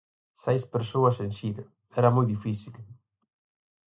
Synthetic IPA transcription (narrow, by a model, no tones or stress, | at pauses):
sɛjspeɾsowɐsensid̪ | ɛɾamɔjd̪ifisil